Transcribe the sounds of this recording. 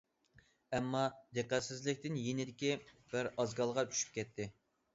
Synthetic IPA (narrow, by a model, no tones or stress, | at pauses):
ɛmːɑd̪eqæt̪sɪzlɪkʲt̪ɪnjenɪd̪ɪkʲib̥ɪɾɑzɡɑlˠʁɑt͡ʃʰy̥ʃy̥p̚kʲɛt̪ʰːɪ